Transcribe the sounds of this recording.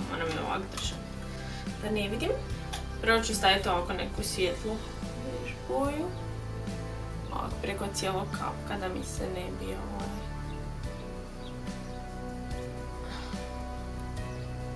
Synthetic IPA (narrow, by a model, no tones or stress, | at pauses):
o̰namno̰ʋa̰kd̪r̩ʒa | d̪aneʋid̪im | pɾot͡ʃust̪ait̪oakonekusʋʲjet̪lˠu | ʋeʒboju | o̰a̰kpɾekot̪sjelˠoɡkʰa̰pkad̪amisenebioooj